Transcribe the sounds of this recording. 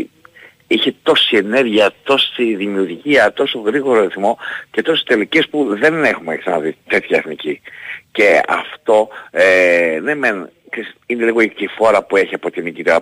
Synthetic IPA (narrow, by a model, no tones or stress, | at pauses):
içet̪o̞sie̞ne̞ɾʝiɐt̪o̞siðimiuɾʝiɐt̪o̞so̞ɣɾiɣo̞ɾoɾiθmo̞ce̞t̪o̞si̥st̪e̞lice̞spuðe̞nexumeksɐnɐðit̪e̞t̪çɐeθnicice̞ɐ̰ft̪o̞enemen | kisineliɣo̞it̪ifo̞ɾɐpue̞çiɐpo̞t̪inicit̪iɐ